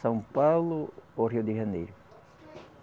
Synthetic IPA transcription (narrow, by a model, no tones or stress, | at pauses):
sɐ̃w̃pawlʊoriʊd̪ɪʒɐnejɾʊ